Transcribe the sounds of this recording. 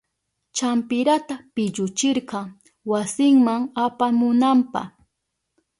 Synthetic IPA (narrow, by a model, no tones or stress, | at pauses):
t͡ʃampɪɾat̪apɪʎʊt͡ʃɪɾqɑŋ | wasɪŋmaŋapamʊnampɑ̰χ